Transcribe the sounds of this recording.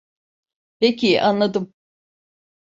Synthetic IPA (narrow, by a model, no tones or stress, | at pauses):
pecʰiʔanlˠad̪ɯm